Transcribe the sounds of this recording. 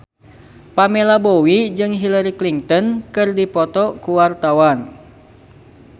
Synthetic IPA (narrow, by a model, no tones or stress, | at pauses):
pamɛlabowid͡ʒɨŋɦilaɾikliŋt̪ɔnkɨrdipɔt̪ɔkuwart̪awan